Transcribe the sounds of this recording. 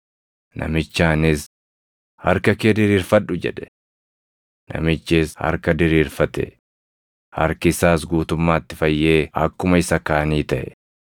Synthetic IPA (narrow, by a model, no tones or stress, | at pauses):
nʔɐ̰mɪt͡ʃːaːnɪs | hɐ̰ɾkɐkeːd̪ɪɾiːɾfɐᶑːʊd͡ʒɛᶑɛ̥ | nɐ̰mɪt͡ʃːɪshɐ̰ɾkɐd̪ɪɾiːɾfɐt̪ɛ̰ | hɐ̰ɾkɪsaːsɡuːt̪ʊmːaːt̪ːɪfɐjːe̞ːɐ̰kːʊmɐɪsɐkaːɐniːt̪ɐʔɛ̰